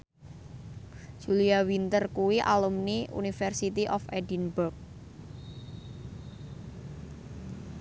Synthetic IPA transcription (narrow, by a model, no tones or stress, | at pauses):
d͡ʒ̥uliawint̪ərkuwiʔa̰lumniṵnifɛrsit̪iʔɔfedinbʊrk̚